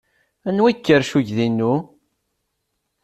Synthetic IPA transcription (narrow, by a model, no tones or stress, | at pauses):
ænwækːəɾʃuʝðinːu